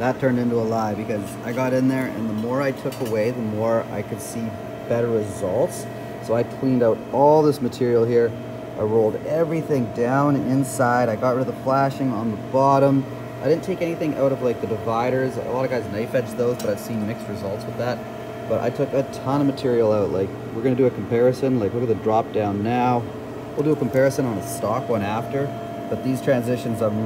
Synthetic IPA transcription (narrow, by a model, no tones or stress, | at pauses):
ðətʰɜ̃˞ndɪ̃ntuəlaɪbɨkʰʌzaɪɡɑɾɨ̃nðə˞ʔɨ̰̃nðəmɔɹaɪtʰʊkəweɪðəmɔɹa̰ɪkʰɨd̥si | b̥ɛɾə˞ɹɨzʌlˠtsː | oʊaɪkʰl̥ĩndaʊɾɔlˠðɪsmɨtʰɪɹil̩ˠhiɹ | ʔaɪɹoʊlˠdɛvɹiθɪ̃ŋdãʊ̃nɪ̃nsaɪɾaɪɡɑt̚ɹɪɾɨðəflæʃɪ̃ŋə̃nðəbɑɾə̃m | aɪɾɪdⁿn̩tʰeɪkɛñiθɪ̃ŋʔa̰ʊɾʌvlaɪk̚ðɨdɨvaɪɾə˞zə̰lɑɾʌvɡaɪznaɪfɛt͡ʃðoʊzbʌɾaɪv̥sĩnmɪkst̚ɹɨzʌlˠtswəðæt̚ | b̥ʌɾʔa̰ɪtʰʊkɨtʰɑ̃ñəmɨtʰɪɹil̩ˠaʊtˡlaɪk | wɪɹɡʌnɨdɨːkʰm̩pʰɛɹɨsɨ̃nlaɪkwɨɹɡʌndɹɑp̚d̥ãʊ̃nːaʊ | wilˠdɨːkm̩pʰɛɹɨsɨ̃nə̃nəstɑkwʌ̃ñæftə˞ | b̥ʌt̪̚ðiz̥tʰɹ̥æ̃nzɪʃɨ̃nzə˞